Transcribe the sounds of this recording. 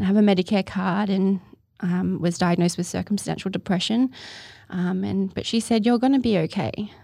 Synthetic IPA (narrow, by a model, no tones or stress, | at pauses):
ɨvɨmɛɾɨkʰɛkʰɑɹɾɨ̃n | ʔʌ̃mwʌzdaɪɨɡ̚noʊst̚wɨð̥sɜ̰˞km̩stæ̰̃nʃl̩ˠdɨpʰɹ̥ɛʃɨ̃nʔʌ̃mɨ̰̃nb̥ʌtʃisɛdjə˞ɡʌnɨbioʊkʰeɪ